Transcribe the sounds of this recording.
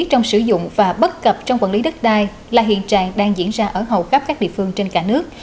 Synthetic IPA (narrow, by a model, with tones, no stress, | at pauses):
t̚t͡ɕɔ˧wŋ͡msɨ˧˩zʊ̰˧˨ŋ͡mvaː˨˩ɓə˦˥t̚kə˨˩p̚t͡ɕɔ˧wŋ͡mkwa̰˧˩nli˨˦ɗə˦˥t̚ɗaː˧˩j | laː˨˩ɦḭ˧˨ənt͡ɕaː˧˨˩ŋɗaː˧ŋzḭ˧˥ənzaː˧ʔəː˧˩ɦə˨˩wxə˦˥p̚kaː˦˥k̚ɗḭ˧˨əfɨ˧əŋt͡ɕe˧nkaː˧˩nɨ˦˥ək̚